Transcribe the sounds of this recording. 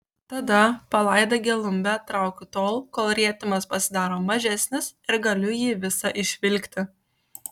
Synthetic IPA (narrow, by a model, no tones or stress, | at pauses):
t̪ɐd̪ɐpɐlˠɐˑɪd̪ɐɡʲɛlˠʊmʲbʲæːt̪ɾɑˑʊkʲʊt̪oːlˠkoːlˠɾʲiɛt̪ʲɪmɐspɐsʲɪd̪ɑːɾoːmɐʒʲæsʲnʲɪsɪɾɡɐlʲʊjiːʋʲɪsɐʔɪʃʲʋʲɪlʲkʲt̪ʲɪ